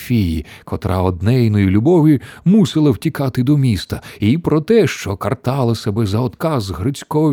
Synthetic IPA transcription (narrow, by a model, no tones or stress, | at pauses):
fʲijḭkʰɔt̪ɾʔa̰ɔd̪nɛjnɔjilʲʊbɔwimusɪlˠɐwtʲikɑt̪ɪd̪ɔmʲist̪ɐipɾɔt̪ɛʃt͡ʃɔkɐrt̪ɑlˠɐsɐbɛzɐɔd̪kɑzɦɾɪt͡sʲkɔɔ